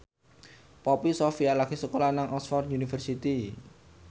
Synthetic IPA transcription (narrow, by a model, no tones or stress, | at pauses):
pɔpisɔfialaɡisəkolanaŋʔɔsfɔrunifərsit̪i